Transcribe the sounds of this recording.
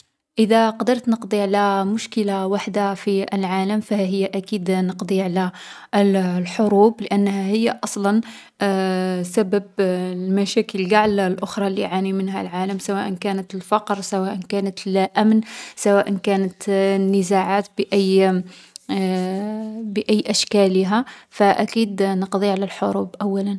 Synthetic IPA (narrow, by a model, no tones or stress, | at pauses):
ʔəd̪æqɑd̪əɾˤt̪nəqd̪ˤiʕlæmʊʃkəlawaħd̪afiəlʕaləmfæɦəjːaʔækid̪nəqd̪ˤiʕlæ | lħoɾubləʔænːhæhəjːaʔɑsˤlɑn | sæbəblmæʃækəlɡaʕlalʔʊxɾˤɑliʕanimənhæ̰lʕaləmsæwæʔənkænət̪əlfɑqɾsæwæʔənkænət̪əlʔæmnsæwæʔənkænət̪nːəzaʕat̪bəʔæj | bəʔæjːʔæʃkæləɦæfæʔækid̪nəqd̪ˤiʕlælħoɾubʔæwːælən